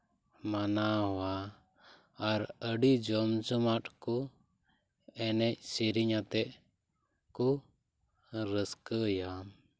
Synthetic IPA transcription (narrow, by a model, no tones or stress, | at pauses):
manaɦɔwa | ɾəɖid͡ʒɔmt͡ʃɔmaʈkɔ | ɛnɛc̚siɾiɲat̪ɛʔ | ku | ɾəskəjam